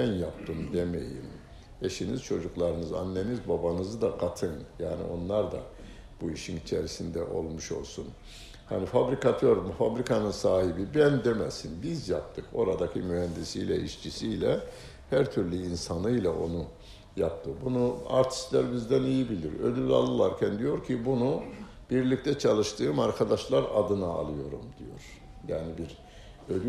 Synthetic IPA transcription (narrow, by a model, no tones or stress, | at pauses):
ænjap̚t̪ʰɯmd̪emḛjḭm | eʃiniz̥t͡ʃʰo̞d͡ʒuklˠaɾɯnɯza̰nːenizbabanɯzɯd̪aɡat̪ʰɯnjaːnḭo̞nlˠaɾd̪a̰ | b̥uiʃinit͡ʃʰeɾisind̪ɛʔo̞lˠmuʃo̞̰lˠsun | hanifabɾikat̪ʰøɾmfabɾikʰanɯnsaːɦibibænd̪emɛsinbizjap̚t̪ʰɯko̞ɾad̪akʰimyhænd̪isijlʲɛ̰ʔiʃt͡ʃʰisijlʲɛ | hæɾt̪ʰyɾlʲyinsanɯjlˠaʔo̞nu | jap̚t̪ʰɯbunua̰ɾt̪ʰi̥st̪lʲæɾbizd̪ænijibilʲiɾø̰d̪ylʲa̰lˠɯlˠaɾcʰænd̪ijo̞ɾcʰibunu | b̥iɾlʲic̚t̪ʰɛt͡ʃʰalˠɯʃt̪ʰɯːmaɾkʰad̪aʃlˠaɾad̪ɯnaa̰lˠɯjo̞ɾumd̪ijo̞̰ɾ̥ | jaːnibiɾ | ød̪y